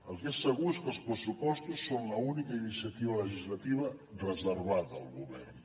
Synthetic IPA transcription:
əlˠzesːəɣuskəlˠspɾəsupɔst̪usːonlɐunikɐinisiat̪iβɐləʒizlat̪iβ̞ɐrəzəɾβaðːlˠɣuβɛrn

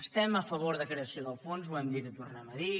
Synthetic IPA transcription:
əst̪ɛməfəβ̞oɾðəkɾeəsioðəlˠfonzuɛmd̪ikət̪urnaməði

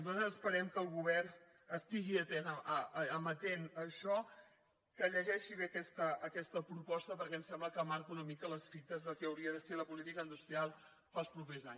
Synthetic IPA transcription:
uzat̪əzəspəɾɛmkəlˠɣuβɛr | əst̪iɣiət̪enəəəmət̪enəʃɔ | kəʎəʒɛʃiβ̞eəkɛst̪əʔːkɛst̪əpɾupɔst̪əpəɾkɛnsɛmbləkəmaɾkunəmikələsfit̪əzðəlˠkɛəwɾiəðəseləpulit̪ikəind̪ust̪ɾialˠ | falˠspɾupeza̰ɲ

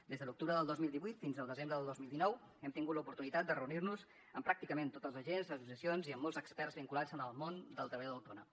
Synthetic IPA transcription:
d̪ezðəluk̚t̪uβɾəðəlˠd̪ozmilˠd̪iβuijt̪finzəlˠd̪əzembɾəðəlˠd̪ozmilˠd̪inɔw | ɛmt̪iŋɡut̪ləupuɾt̪unit̪at̪̚d̪ərəunirnuz | əmpɾak̚t̪ikəment̪ot̪əlˠzəʒenzəs̬us̬iəsionziəmːɔlˠzəkspɛrzβiŋkulazənəlˠmond̪əlˠt̪ɾəβəʎoðəwt̪onə

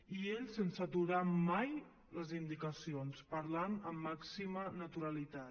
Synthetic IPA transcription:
ieʎsənsət̪uɾamaj | ləzind̪ikəsionspəɾlanəmːaksimənət̪uɾəlit̪a

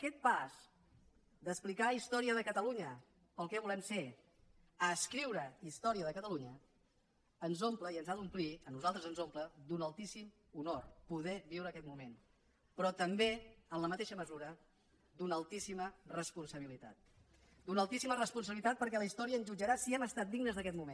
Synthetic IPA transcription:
əkɛt̪̚paz | d̪əsplikaist̪ɔɾiəðəkət̪əluɲə | pəlˠkɛβulɛmfe | əːskɾiwɾəist̪ɔɾiəðəkət̪əluɲəː | nzompləiənzaðumpliənuzalˠt̪ɾəzənzompləd̪unəlˠt̪isim | unorpuðɛβiwɾəːkɛt̪̚mumen | pɾɔt̪əmbeənləmət̪eʃəməzuɾə | d̪unəlˠt̪isimərəspunsəβ̞ilit̪a̰t̪̚ | d̪unəlˠt̪isimərəspuns̬əβilit̪at̪̚pəɾk̬ɛləist̪ɔɾiəːnzʒud͡ʒəɾasiɛməst̪at̪̚d̪iɡnəzðəkɛt̪mumen

